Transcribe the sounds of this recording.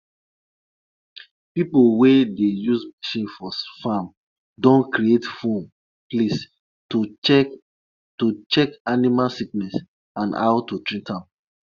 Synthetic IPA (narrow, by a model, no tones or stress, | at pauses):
pipolwedejuzmaʃĩnfɔfam | dõnkɾietfõn | plis | tu | tut͡ʃɛkanimalsiknɛs | ãna̰ʊtutɹĩntãm